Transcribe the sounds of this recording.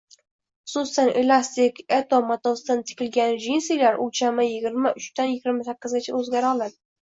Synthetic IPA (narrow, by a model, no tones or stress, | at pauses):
χʊ̥susanʔelast̪ɪket̪omat̪ost̪ant̪ʰɪ̥kʲɪlɡʲanʒinsejlaɾʔʊt͡ʃʰamɪjɪɡʲɪɾmaʔʊt͡ʃt̪anjɪɡʲɪɾmasakʲːɪzɪnt͡ʃʰɪ̰ɵzɡʲaɾɒlˠad̪ɪ